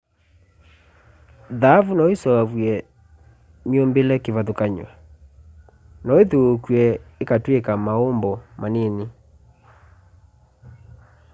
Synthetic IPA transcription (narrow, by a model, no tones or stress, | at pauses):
ðaːvunɔesɔavwɛ | meombelɛkevaðokaɲwa | nɔeðoːkwɛekatwekamaombɔmanene